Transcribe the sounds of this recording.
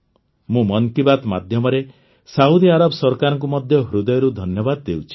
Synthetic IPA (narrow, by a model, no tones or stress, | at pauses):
mũmɔŋkibat̪mad̪ʱjɔmɔɾe | saud̪iaɾabɔsɔɾkaɾɔ̃ŋk̬umɔd̪ʱjɔɦɾud̪ɔjɔɾud̪ʱɔnjɔbad̪ɔːewt͡ʃʰi̥